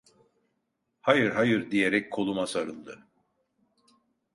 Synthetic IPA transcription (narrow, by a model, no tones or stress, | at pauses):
hajɯɾɦajɯɾd̪ijeɾɛc̚kʰo̞lˠumasaɾɯlˠd̪ɯ